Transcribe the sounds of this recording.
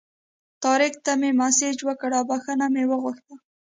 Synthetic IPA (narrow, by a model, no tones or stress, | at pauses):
t̪ɑɾɪkt̪amemased͡ʒwəkəɽawbaxənamewəɣʊxt̪ə